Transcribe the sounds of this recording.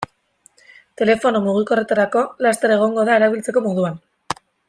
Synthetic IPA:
t̪e̞le̞fo̞nomuɣ̞iko̞re̞t̪aɾako̞last̪eɾe̞ɣ̞o̞ŋɡo̞ðae̞ɾaβilt͡se̞ko̞mo̞ðuan

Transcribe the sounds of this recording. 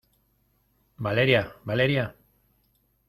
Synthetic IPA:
baleɾiabaleɾia

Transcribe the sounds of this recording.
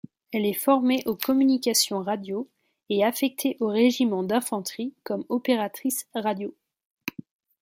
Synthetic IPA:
ɛlɛfɔʁmeʔokɔmynikʲasjɔ̃ʁad̪jo | eafɛk̚t̪ʰeʔoʁeʒimɑ̃d̪ɛ̃fɑ̃t̪χikɔmɔpeʁat̪χisʁad̪jo

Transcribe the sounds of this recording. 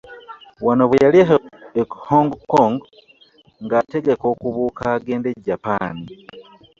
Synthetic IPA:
wanoβejalieɦehoŋɡkːoŋɡ | ŋɡaːte̞ɡe̞ko̞kuβuːkaːɡe̞ːndeɟapa̰ːni

